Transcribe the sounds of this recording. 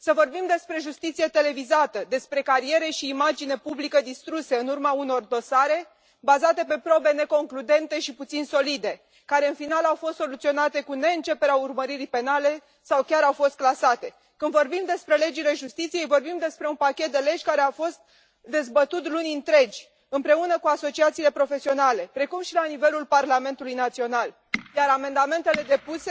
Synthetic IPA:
səvo̞rbimd̪e̞spɾe̞ʒust̪it̪sije̞t̪e̞le̞vizat̪əd̪e̞spɾe̞kaɾije̞ɾe̞ʃiːmad͡ʒine̞publikəd̪ist̪ɾuse̞ɨnurmauno̞rd̪o̞saɾe̞ | bazat̪e̞pe̞pɾo̞be̞ne̞ko̞ŋklud̪e̞nt̪e̞ʃiput̪sinso̞lid̪e̞ | kaɾe̞ɨnfinalawfo̞st̪so̞lut̪sio̞nat̪e̞kune̞ɨnt͡ʃe̞peɾeaurməɾiɾipe̞nale̞ | sawkʲaɾawfo̞st̪̚klasat̪e̞ | kɨnd̪vo̞rbimd̪e̞spɾe̞le̞d͡ʒile̞ʒust̪it̪sije̞jvo̞rbimd̪e̞spɾe̞unpakʲet̪̚d̪e̞le̞d͡ʒʲkaɾeafo̞st̪̚ | d̪e̞zbət̪ut̪lunʲɨnt̪ɾe̞d͡ʒʲ | ɨnpɾe̞unəkuaso̞t͡ʃiat̪siːle̞pɾo̞fe̞sio̞nale̞pɾe̞kumʃilanive̞lulparlame̞nt̪ulujnat̪sio̞nal | jaɾame̞nd̪ame̞nt̪e̞le̞d̪e̞puse

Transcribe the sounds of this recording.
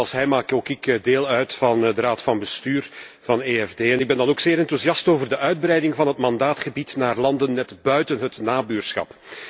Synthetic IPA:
ɑlˠsɦɛjmaːkoːkɪkdeːlˠœɥtfɑndəɾaːtfɑnbəstyːrvɑneːɛvdeːɛnɪɡ̚bɛndɑnoːkseːɾɪntuziɑstoːvərdəʔœɥd̚bɾɛjdɪŋvɑnɦətmɑndaːtχəbitnaːrlɑndənːɛtbœɥtənɦətnaːbyːrsxɑ̰p

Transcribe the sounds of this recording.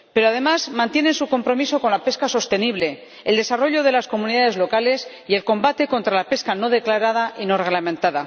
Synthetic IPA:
pe̞ɾoað̞e̞mazmãnt̪jene̞nsuko̞mpɾo̞miso̞ko̞nlape̞skaso̞st̪e̞niβ̞le̞ | eld̪e̞saro̞ʎo̞ðe̞lasko̞mũniðaðe̞zlo̞kale̞s | ie̞lko̞mbat̪e̞ko̞nt̪ɾalape̞skano̞ð̞e̞klaɾaðaʔino̞re̞ɣlamẽnt̪aða

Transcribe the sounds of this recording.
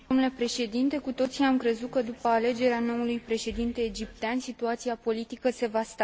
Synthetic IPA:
d̪omnule̞pɾe̞ʃe̞d̪int̪e̞kut̪o̞t̪sijamkɾe̞zut̪̚kəd̪upəale̞d͡ʒe̞ɾeano̞ulujpɾe̞ʃe̞d̪int̪e̞ːd͡ʒip̚t̪eansit̪uat̪siapo̞lit̪ikəse̞vast̪

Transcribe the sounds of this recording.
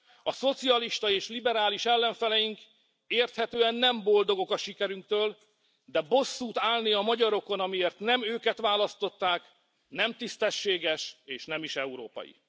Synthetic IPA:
ɒso̞t̪siɒliʃt̪ɒeːʃlibɛɾaːliʃɛlːɛɱfɛlɛjiŋk | eːrt̪hɛt̪øːɛnːɛmbo̞ld̪oɡo̞kɒʃikɛɾyŋkt̪øːl | d̪ɛbo̞sːuːt̪aːlniɒmɒɟɒɾo̞ko̞nɒmieːrt̪nɛmøːkɛt̪ʋaːlɒst̪o̞t̪ːaːk | nɛmt̪ist̪ɛʃːeːɡɛʃeːʃnɛmiʃɛuɾo̰ːpɒ̰jḭ

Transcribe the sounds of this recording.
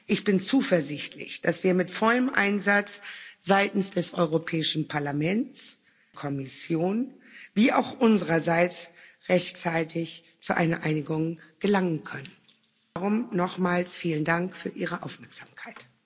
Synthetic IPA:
ʔɪçb̥ɪnt͡suːfɛɐzɪçtʰlɪ̰çd̥asv̥iːɐmɪtfɔləmʔa̰ɪnzat͡sz̥aɪtn̩sd̥ɛsʔɔʏʁopʰɛːɪʃn̩pʰaɐlamɛnt͡s | kʰɔmɪsjoːn | viːʔaʊxʔʊnzəʁɐzaɪt͡sʁɛçtt͡saɪtʰɪç | t͡suʔa̰ɪnɐʔaɪnɪɡʊŋɡ̥əlaŋənkʰœnən | aʁʊmnɔχmaːlsfiːləndaŋkfyːɐʔiːʁ̞əʔa̰ʊfmɛɐkz̥aːmkʰaɪt

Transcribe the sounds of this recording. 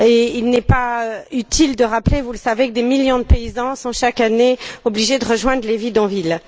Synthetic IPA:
eilnɛpaøyt̪ʰild̪əʁaplevuləsavekəd̪emiljɔ̃d̪əpeizɑ̃sɔ̃ʃakaneɔbliʒed̪əʁəʒwɛ̃d̪ʁəlevid̪ɔ̃vil

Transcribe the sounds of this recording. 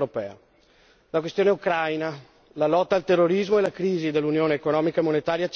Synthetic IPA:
ɾopɛ̰ːa̰ | lakwest̪joːneukɾajna | lalɔt̪ːaːlt̪erːoɾizmoelakɾiːzid̪elːunjoːneːkonɔːmikaemonet̪aːɾjat͡ʃ

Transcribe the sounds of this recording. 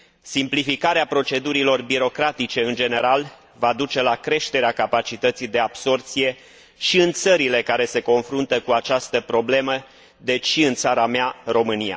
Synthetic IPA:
simplifikaɾeapɾo̞t͡ʃe̞d̪uɾilo̞rbiɾo̞kɾat̪it͡ʃe̞ɨnd͡ʒe̞ne̞ɾal | vad̪ut͡ʃe̞lakɾe̞ʃt̪eɾeakapat͡ʃit̪ət̪sid̪e̞abso̞rt̪sije̞ | ʃiɨnt̪səɾile̞kaɾe̞se̞ko̞nfɾunt̪əkuat͡ʃast̪əpɾo̞ble̞mə | d̪e̞t͡ʃʃiɨnt̪saɾamearo̞mɨnija̰

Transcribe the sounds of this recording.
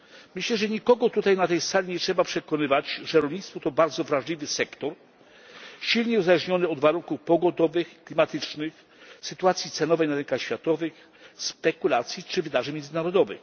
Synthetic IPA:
mɘɕlɛʐɛɲikɔɡɔt̪ut̪ajnat̪ɛjsalʲiɲɛtʂɛbapʂɛkɔnɘvad͡ʑʐɛɾɔlʲɲit̪st̪fɔt̪ɔbaɾd̪zɔvɾaʐlʲivɘsɛkt̪ɔɾ | ɕilɲɛuzalɛʐɲɔnɘɔd̪vaɾuŋkufpɔɡɔd̪ɔvɘxiklʲimat̪ɘt͡ʂnɘx | sɘt̪uat̪sʲjit̪sɛnɔvɛjnaɾɛnŋkaxɕfʲjat̪ɔvɘx | spɛkulat̪sʲjit͡ʂɘvɘd̪aʐɘmʲjɛnzɘnaɾɔd̪ɔvɘ̰

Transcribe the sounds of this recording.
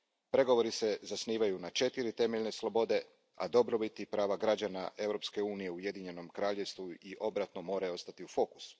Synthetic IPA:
pɾe̞ɡo̞ʋo̞ɾise̞zasniːʋajunat͡ʃe̞t̪iɾit̪e̞meʎne̞slˠo̞bo̞d̪e̞ | a̰d̪o̞bɾo̞bit̪ipɾaːʋaɡɾad͡ʑana̰ʔe̞wɾo̞pske̞uːnije̞uje̞d̪iɲe̞no̞mkɾaːʎe̞ʋst̪ʋuiʔo̞bɾat̪no̞mo̞ːɾajo̞st̪at̪iufo̞ku̥s

